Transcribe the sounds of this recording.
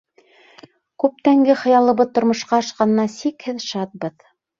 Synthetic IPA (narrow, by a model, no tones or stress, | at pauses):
kʉp̚t̪æŋɡɘχɤ̆jɑlˠɤ̆βɤðt̪ŏɾmŏʃqɑɑʃqɑnɤ̆nɑsikhɘðʃɑt̪̚bɤð